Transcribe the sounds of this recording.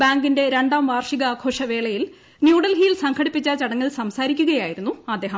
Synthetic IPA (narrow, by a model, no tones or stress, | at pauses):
baːŋɡinde̞ɾe̞ɳɖaːmʋaːrʂiɣɐaːkʰo̞ːʂɐʋe̞ːɭɐjil | njuːɽɐlɦiːilsɐŋkʰɐɽipːit͡ɕːɐt͡ɕɐɽɐŋːɐɭsɐmsaːɾikʲːuɣɐjaːjiɾunːuɐd̪ːe̞ːɦɐm